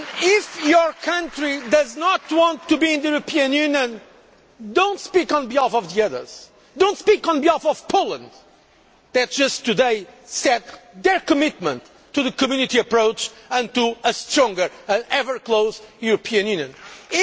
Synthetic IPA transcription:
ɪfjə˞kʰãntɹid̪ʌznɔt̪wɑ̃nt̪ʰːubiɪ̃nðɨjuɾɨpʰiɨ̃njʉnjɨ̃n | d̪õʊ̃ntspikɔ̃nbiɔfɔvðiʌðə̰˞z̥ | d̪õʊ̃ntspikɔ̃nbiɔfɔv̥pʰoʊlˠə̰̃nd̪ | ðæt̚d̥ʒ̥ʌstːɨdeɪsɛd̪̚ðə˞kɨmɪt̪̚mə̃ntː | uðɨkɨmjʉnit̪iɨpɹoʊt͡ʃɨ̃nt̪uəst̪ɹɔ̃ŋɡə˞ɨ̃nɛvə˞klˠoʊzjuɾɨpʰiɨ̃njʉ̃njɨ̃n

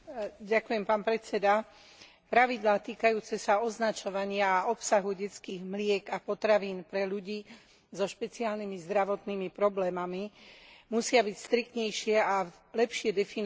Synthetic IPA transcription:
ɟakujɛmpaːnpɾɛt͡sɛd̪a | pɾaʋid̪laːt̪iːkajuːt͡sɛsaɔznat͡ʃɔʋaɲɪaːɔpsaɦuɟɛt͡skiːɣmlɪɛɡapɔt̪ɾaʋiːnpɾɛʎuɟiː | zɔʃpɛt͡siaːlnimizd̪ɾaʋɔt̪nimipɾɔblɛːmamimusɪabicst̪ɾik̚t̪ɲɛjʃɪɛa | lɛpʃɪɛd̪ɛfin

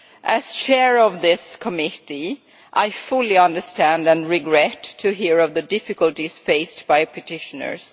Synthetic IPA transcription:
ʔæst͡ʃʰɛɹɔvðɪskʰəmɪɾi | ʔaɪfʊlˠiʌ̃ndə˞stæ̃ndæ̃nɹɪɡɹɛtʰːɨɦiɹʌvðɨdɪfɨkəlˠtisfeɪstb̥aɪpʰɨtʰɪʃənə̰˞s

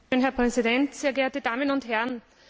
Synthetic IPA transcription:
øːnɦɛɐpʁ̥ɛzidɛntseːɐɡeːɐtəd̥aːmənʊntɦɛɐn

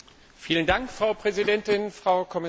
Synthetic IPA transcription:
fiːləndaŋkfʁ̥aʊpʁ̥ɛzidɛntɪnfʁ̥aʊkʰɔmɪ

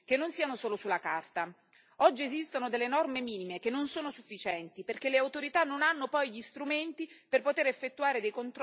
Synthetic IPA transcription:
k̟enːonsiːanosoːlosulakart̪a | ɔd͡ʒːiezist̪onod̪elːenɔrmemiːnimek̟enːonsoːnosufːit͡ʃɛnt̪iperk̟elːeawt̪oɾit̪anːonanːopɔjʎist̪ɾument̪iperpot̪eɾefːet̪ːuaːɾed̪ejkont̪ɾ

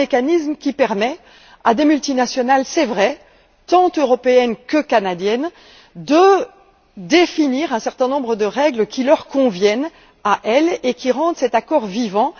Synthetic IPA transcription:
ekanismkʲipɛʁmɛ | ad̪emylt̪inasjɔnalsɛvʁɛ | t̪ɑ̃t̪øʁɔpeɛnkəkanad̪jɛn | d̪ə | d̪efiniʁɛ̃sɛʁt̪ɛ̃nɔ̃bʁəd̪əʁɛɡləkʲʰilœʁkɔ̃vjɛn | aʔɛlekʲiʁɑ̃d̪sɛt̪akɔʁvivɑ̃

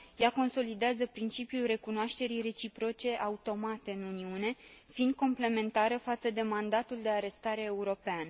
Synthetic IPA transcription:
jako̞nso̞lid̪eazəpɾint͡ʃipjulre̞kunoaʃt̪e̞ɾijre̞t͡ʃipɾo̞t͡ʃe̞ʔaut̪o̞mat̪e̞ɨnuniune̞fiːnd̪̚ko̞mple̞me̞nt̪aɾəfat̪səd̪e̞mand̪at̪uld̪e̞aɾe̞st̪aɾe̞ːuɾo̞peanə

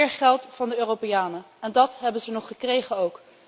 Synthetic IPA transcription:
ɪːɹχɛlˠtfɑndəøːropejaːnə | ɛndɑtɦɛbənzənɔχəkrejχənowk

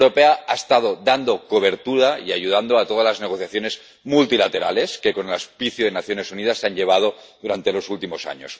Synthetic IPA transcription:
ɾopeaaest̪að̞od̪and̪okoβ̞e̞ɾt̪uɾaḭaʝuð̞and̪oat̪o̞ðazlazneɣ̞oθjaθjone̞z | mult̪ilat̪eɾa̰le̞ske̞ko̞nelaspiθjuðenaθjo̞ne̞suniðasːeaɲʎe̞β̞að̞oðuɾant̪e̞lo̞sult̪imo̞sa̰ɲos

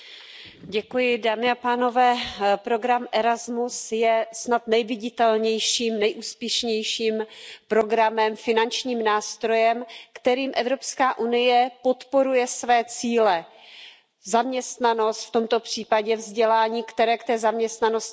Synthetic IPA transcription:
ɟɛkujɪdaːmɪapaːno̞vɛːpɾo̞ɡɾamʔɛɾazmusjɛsnat̪nɛjvɪɟɪt̪ɛlɲɛjʃiːmnɛjʔuːspjɛʃɲɛjʃiːmpɾo̞ɡɾamɛmfɪnant͡ʃɲiːmnaːst̪ɾo̞jɛmkt̪ɛɾiːmʔɛvɾo̞pskaːʔunɪjɛpo̞t̪po̞ɾujɛsvɛːt͡siːlɛ | zamɲɛst̪nano̞st̪ft̪o̞mt̪o̞pr̝̥iːpaɟɛvzɟɛlaːɲiːkt̪ɛɾɛːkt̪ɛːzamɲɛst̪nanos

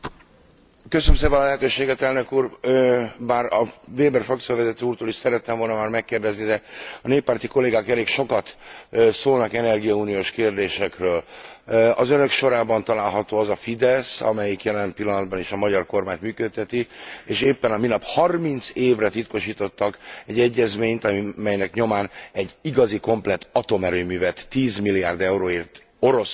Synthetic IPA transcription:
køsønømseːpɛnɒlɛɦɛt̪øːʃeːɡɛt̪ɛlnø̞kuːr | maːrɒveːbɛrfɒkt̪sijovɛzɛt̪øːuːrt̪oːliʃsɛɾɛt̪ːɛmvo̞lnɒmaːrmɛkːeːrd̪ɛznid̪ɛɒneːpːaːrt̪iko̞lːeːɡaːkɛleːkʃo̞kɒt̪soːlnɒkɛnɛrɡijɒuːnijoːʃkeːrd̪eːʃɛkrøːl | ɒzønø̞kʃo̞ɾaːbɒnt̪ɒlaːlɦɒt̪oːɒzɒfid̪ɛsɒ̰mɛjikjɛlɛmpilːɒnɒd̪̚bɒniʃɒmɒɟɒrko̞rmaːɲt̪myːkøt̪ʰːɛt̪ieːʃeːpːɛnɒminɒphɒrmint̪seːvrɛt̪it̪ko̞ʃiːt̪o̞t̪ːɒkɛɟːɛɟːɛzmeːɲt̪ɒmɛjnɛkɲo̞maːnɛɟːiɡɒziko̞mplɛt̪ːɒt̪o̞mɛɾøːmyːvɛt̪ːiːzmilːija̰ːrd̪ɛuɾoːeːrt̪ | o̞ɾo̞s

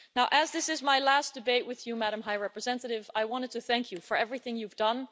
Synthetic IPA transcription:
naʊʔɨzðɪsɨzmaɪlæsd̥ɨbeɪʔ̚wɨðjɨmæɾə̃mɦaɪɹɛpɹɨzɛ̃ntɨɾɪvaɪwɑ̃ñtɨd̚tʰɨθæ̃ŋkʰjɨfə˞ɛvɹiθɪ̃ŋjuvdʌ̃n

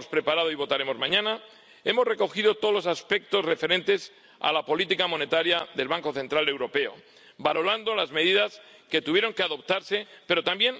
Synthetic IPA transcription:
spɾe̞paɾað̞o̞iβo̞t̪aɾe̞mo̞zmãɲãna | e̞mo̞zre̞ko̞xiðo̞t̪olo̞saspe̞k̚t̪o̞zre̞fe̞ɾẽ̞nt̪e̞s | a̰lapo̞lit̪ikamõ̞ne̞t̪aɾjaðe̞lβaŋko̞θe̞nt̪ɾale̞wɾo̞pe̞o̞̰ | balo̞land̪o̞lazme̞ðiðas | ke̞t̪uβjeɾo̞ŋkeaðo̞p̚t̪aɾse̞pe̞ɾo̞t̪ambje̞n

